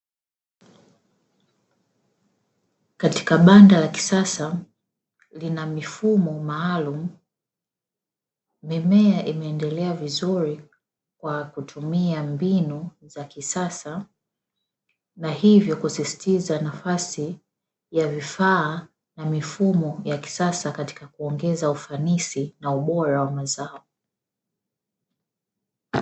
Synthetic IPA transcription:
kati̥kaɓandalaki̥sasa | linamifumɔmaːlum̩ | mɛmɛaʔimɛːndɛlɛavizuɾi | kwakutʰumiambinuzakisasa | nahivjɔkusisi̥tizanafasi | javifaː | namifumɔjaki̥sasakati̥kakuɔŋɡɛzaufanisinauɓɔɾawamazaɔ

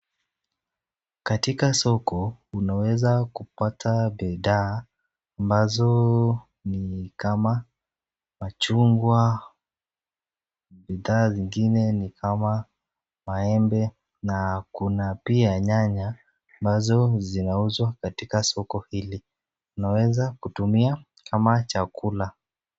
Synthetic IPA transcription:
katikasɔkɔunawɛzakupatʰabiðaː | mbazɔ | nikama | mat͡ʃuŋɡwa | biðaːziŋɡinɛnikʰama | maɛmbɛ | nakunapiaɲaɲaː | mbazɔzinauzwakatikasɔkɔhili | tunawɛzakutumia | kʰamat͡ʃakula

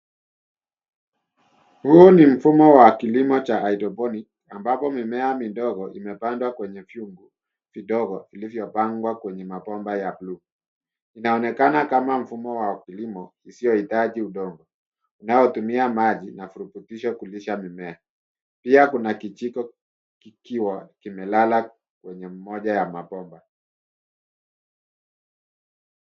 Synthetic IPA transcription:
huɔnim̩fumɔwakilimɔt͡ʃaaitɔpɔnik | ambapɔmimɛamindɔɣɔʔimɛpandwakwɛɲɛfjuŋɡu | fiɗɔɣɔʔilivjɔpaŋɡwakwɛɲɛmapɔmbajablu | inaɔnɛkanakamam̩fumɔwakilimɔisijɔhitaʄiuɗɔŋɡɔ | unajɔtumiamaʄinafuɾuputiʃɔkuliʃamimɛa | piakunakit͡ʃikɔ | kikiwakimɛlala | kwɛɲɛm̩mɔʄajamapɔmba

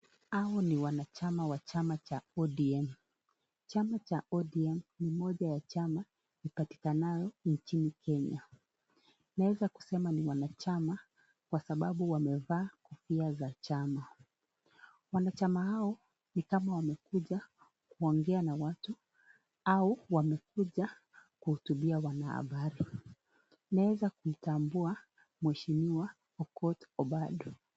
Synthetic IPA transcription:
aɔniwanat͡ʃamawat͡ʃamat͡ʃaɔɗiɛm̩ | t͡ʃamat͡ʃaɔɗiɛm̩nimɔʄajat͡ʃama | ipati̥kanajɔnt͡ʃinikʰɛɲa | nawɛzaku̥sɛmaniwanat͡ʃama | kwasaɓaɓuwamɛvaːkɔfiazat͡ʃama | wanat͡ʃamahaɔ | nikamawamɛkuʄa | kuɔŋɡɛanawatu | auwamɛkuʄa | kuhutuɓiawanaha̰ɓaɾi | nawɛzakuitambua | mwɛʃimiwa | ɔkɔtɔɓaɗɔ

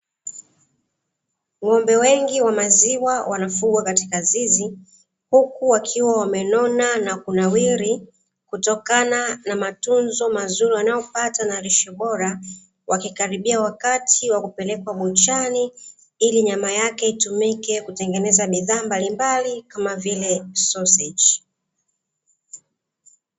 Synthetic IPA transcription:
ŋɔmbɛwɛŋɡiwamaziwawanafuɡwakati̥kazizi | hukuwakʰiwawamɛnɔnanakunawiɾi | kutɔkananamatunzɔmazuɾiwanajɔpatanaɾiʃɛɓɔɾa | wʔakikaɾiɓiawakatʰiwakupɛlɛkwaɓɔt͡ʃani | iliɲamajakɛitumikɛkutɛŋɡɛnɛzaɓiðaːmbalimbalikamavilɛsɔsɛd͡ʒ

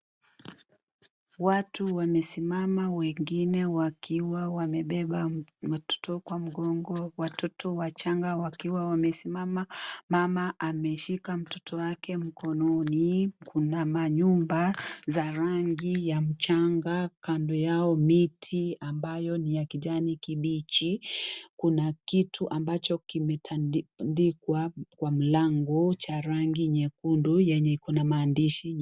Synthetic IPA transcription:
watuwamɛsimamawɛŋɡinɛwakʰiwawamɛɓɛɓaatɔ̥tɔkwam̩ɡɔŋɡɔwatɔtɔwat͡ʃaŋɡawakiwawamɛsimamamamaʔamɛʃikam̩tɔ̥tʰɔwakɛm̩kɔnɔnikunamaɲumbazaɾaŋɡijam̩t͡ʃaŋɡakandɔjaɔmitʰiambajɔnijakiʄanikiɓit͡ʃikunakitʰuʔambat͡ʃɔkimɛtʰandikwakwam̩laŋɡɔt͡ʃaɾaŋɡiɲɛkundujɛɲɛkɔnamaːndiʃi

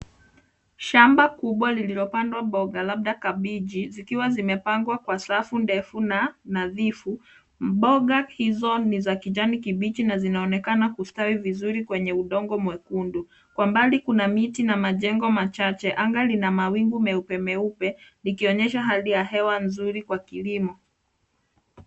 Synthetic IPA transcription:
ʃambakuɓwalililɔpandwabɔɠalaɓ̚ɗakaɓiʄizikiwazimɛpaŋɡwakwasafundɛfunanaðifu | ɓɔɠahizɔnizakid͡ʒanikiɓit͡ʃinazinaɔnɛkanakustawivizuɾikwɛɲɛuɗɔŋɡɔmwɛkundu | kwambalikunamitinamaʄɛŋɡɔmat͡ʃat͡ʃɛʔaŋɡalinamawiŋɡumɛupɛmɛupɛnikiɔɲɛʃaɦalijaɦɛwanzuɾikwakilimɔ

